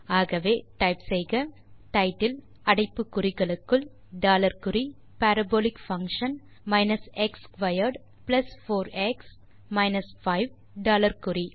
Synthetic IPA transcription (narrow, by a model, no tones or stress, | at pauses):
aːɣɐʋeːʈɐɪpsɛjɣɐ | ʈɐɪʈːɪl | ɐɽɐɪpːɯkːʊrɪɣɐɭɯkːɯl | ɖaːlɐɾkʊri | pæɾɐboːlɪkfɐ̃ŋkʂɐn | mɐɪnɐsɛkskʋɐjɐɾɖ | plɐsfoːɾɛks | mɐɪnɐsfɐɪʋ | ɖaːlɐɾkʊri